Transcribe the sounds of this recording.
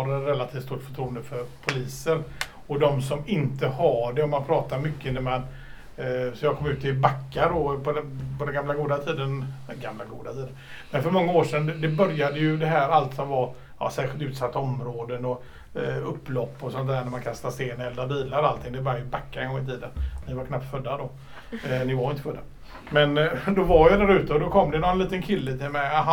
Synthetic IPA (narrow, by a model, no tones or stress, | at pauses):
ɾnɾɛlːat̪ʰiːft̪st̪uːʈːfœ̥ʈʰɾuːənd̪əfœɾpʰʊliːsəɾ | ɔd̪ɔmsɔmɪnt̪əhaɖɛɔmːanpʰɾɑːt̪aɾmʏkːəɪnd̪əmɛn | sɔjɑːkʰɔmːʉ̟ːt̪ɪbakːaɖɔpʰɔd̪ɛpʰɔd̪ɛnɡamlaɡuːd̪at̪ʰiːd̪ənɡamlaɡuːd̪at̪ʰiːd̪ən | mɛnfœɾmɔŋːaoːʂɛnd̪d̪ɛbœɾjad̪əjɵd̪ɛɦæːɾalt̪sɔmva | jɑ̰sæːɧɪlt̪ʉ̟ːt̪sat̪ːaɔmɾoːd̪ənɔ | ɵpːlɔpːɔsɔnt̪d̪æːɳæɾmankʰast̪ast̪eːnɛld̪abiːlaɾɔalt̪ʰɪŋd̪ɛbœɾjajbakːaɾɛŋɡɔŋːɪt̪ʰiːd̪ənnɪvaɾkʰnapt̪fœd̪ːad̪ɔ | nɪvaɾjʏɪnt̪əfœd̪ːa | mɛnd̪ɔvaɾjad̪æɾʉ̟ːt̪əɔd̪ɔkʰɔmːd̪ɛnɔənliːt̪ənkʰɪlːət̪ʰɪlmɛjaɦa